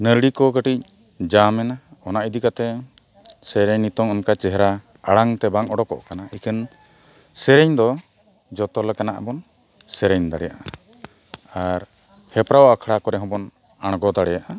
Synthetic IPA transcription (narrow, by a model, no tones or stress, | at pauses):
nəɾɽikɔkəʈic̚ | d͡ʒamɛnaɔnaʔid̪ikat̪ɛ | sɛɾɛɲnit̪ɔŋɔnkat͡ʃɛɦɛɾa | aɽaŋt̪ɛbaŋɔɽɔkɔ̰ʔkanaikʰən | sɛɾɛɲd̪ɔ | d͡ʒɔt̪ɔlɛkanaʔbɔn | sɛɾɛɲd̪aɽɛja̰ʔa | aɾ | hɛpɾawakʰɽakɔɾɛɦɔ̃bɔn | aɽ̃ɡɔd̪aɽɛjaʔa